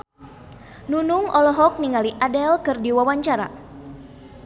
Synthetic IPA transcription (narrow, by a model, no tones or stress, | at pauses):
nunuŋʔɔlɔɦɔk̚niŋaliʔadɛlkɨrdiwawaɲt͡ʃaɾa̰